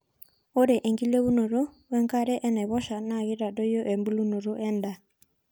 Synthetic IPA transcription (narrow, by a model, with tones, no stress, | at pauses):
o˦ɾɛ˨ʔe˨ŋɡi˦le˦βu˦no˨ɾo˦wɛ˦ŋka˦ɾɛ˦ʔɛ˦nɛ˨βɔ˦ʃa˨na˦˨ɣi˦ɾa˨do˦jo˦ʔe˨mbu˦lu˦no˨ɾo˦ʔɛ˦nda˨